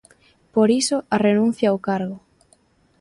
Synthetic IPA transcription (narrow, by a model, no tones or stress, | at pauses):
poɾisʊʔarenũn̟θjaokaɾɣʊ